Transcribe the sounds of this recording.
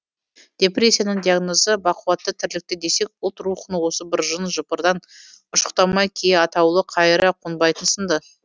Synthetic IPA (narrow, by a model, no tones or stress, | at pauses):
d̪̥ʲe̞prʲe̞sʲːijanəɴd̪ʲijaɡno̞zəbɑqəwɑt̪ːət̪ʰɪɾlɪk̚t̪ɪd̪e̞se̞k̚ʊlˠt̪ɾuχənəwo̞səbɪɾʒənʒəpəɾd̪ɑn | ʊʃə̥qt̪ɑmɑjkʲʰejɑt̪ɑwlˠəqʰɑjɾɑqʰonbɑjt̪ənsənd̪ə